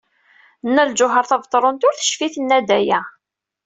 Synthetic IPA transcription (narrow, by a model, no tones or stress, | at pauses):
nːæld͡ʒʊɦəɾθævt̪ˤːɾˤont̪ʊɾθə̥ʃfiθənːæd̪æjæ